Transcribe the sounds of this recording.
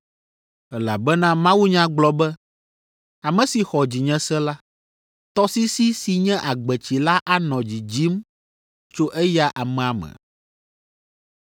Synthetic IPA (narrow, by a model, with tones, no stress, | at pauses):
ɛ˨la̰˨bɛ˦nã˦mã˦wu˦ɲã˦ɡ͡blɔ˦bɛ˦ | a˨mɛ̃˨si˨xɔ˨d͡ʑi˨ɲɛ̃˦sɛ̃˦la˦ | t̪ɔ˦si˦si˦si˨ɲɛ̃˦ʔa˨ɡ͡bɛ˨t͡ɕi˨la˦ʔa˦nɔ̃˨d͡ʑi˨d͡ʑi˦m | t͡ʃo˦ʔɛ˦ja˦ʔa˨mɛ̃˨a˨mɛ̰̃˨